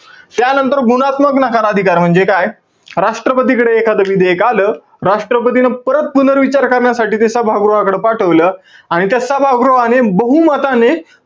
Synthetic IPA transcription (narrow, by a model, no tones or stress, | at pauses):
t̪janənt̪əɾɡuɽ̃at̪məknakʰaɾad̪ʱikaɾm̤əɳd͡zekaj | ɾaʂʈɾəpət̪̬ikəɽeːkʰad̪əʋid̪ʱəekaləː | ɾaʂʈɾəp̬ət̪̬inəpəɾət̪̚punəɾʋit͡ɕaɾkəɾɳjasaʈiːt̪̬esabʱaɡɾoʋakəɽepaʈʰəʋləːaɽ̃it̪jasabʱaɡɾoʋanebəɦumat̪ane